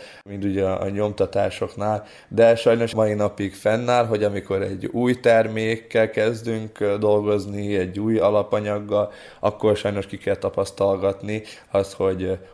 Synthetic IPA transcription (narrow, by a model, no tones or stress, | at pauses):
mint̪uɟɛɒʔɒ̰ɲo̞mt̪ɒt̪aːʃo̞knaːl | d̪ɛʃɒjno̞ʃmɒjinɒpikfɛnːaːlɦo̞ɟɒmiko̞ɾɛɟːuːjt̪ɛrmeːkːɛlkɛzd̪yŋkd̪o̞lɡo̞zniɛɟːuːjɒlɒpɒɲɒɡːɒl | ʔɒkːorʃɒjno̞ʃkikɛlt̪ɒpɒst̪ɒlɡɒt̪ni | ɒsho̞ɟ